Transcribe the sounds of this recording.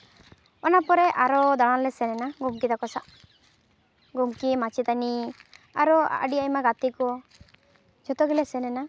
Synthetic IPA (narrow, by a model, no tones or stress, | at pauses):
ɔnapɔɾɛʔaɾɔd̪ɔɽ̃ãlɛsɛnɛnaɡumkid̪akɔsaʔ | ɡumkimat͡ʃit̪ania̰ɾɔa̰ɖiajmaɡat̪ikɔ | d͡ʒɔt̪ɔɡilɛsɛnɛna